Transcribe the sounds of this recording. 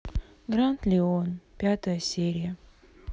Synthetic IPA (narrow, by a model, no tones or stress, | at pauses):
ɡrant̪lʲɪonpʲat̪əjəsʲeɾʲɪjə